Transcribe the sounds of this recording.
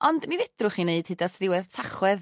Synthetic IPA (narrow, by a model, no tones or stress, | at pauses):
ɔndmivɪd̥rʊχineɨd̥hɨdasðɪwɛðtʰaχwɛð